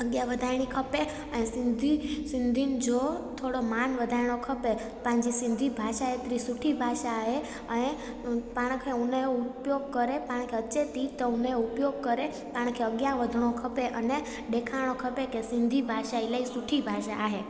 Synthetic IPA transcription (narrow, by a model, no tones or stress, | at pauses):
əɡjaʋəd̪ʱajɽ̃ikʰəpe | ənesɪnd̪ʱisɪnd̪ʱind͡ʒot̪ʰoɽomanʋəd̪ʱajɳ̃okʰəpe | pãɲd͡ʒisɪ̃nd̪ʱibʱaʃaɦet̪ɾisuʈʰibʱaʃaːɦe | əne | paɽ̃kʰeũneupjoɡ̚kəɾepaɽ̃kʰeəːt͡ʃet̪it̪oũneupjoɡ̚kəɾe | paɽ̃kʰeəɡjaʋəd̪ʱɳokʰəpeʔəne | ɖekʰaɽ̃okʰəpekesɪnd̪ʱibʱaʃailəisuʈʰibʱaʃaːɦe